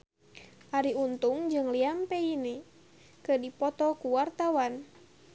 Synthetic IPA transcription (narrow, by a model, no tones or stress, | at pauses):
ʔaɾiunt̪uŋd͡ʒɨŋliampɛini | kədipɔt̪ɔkuwart̪awan